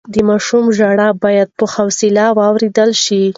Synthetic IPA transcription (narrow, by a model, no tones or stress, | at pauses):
d̪əmɑʃumʒaɽabɑjad̪̚pəhawsilawɑwɾed̪əlʃi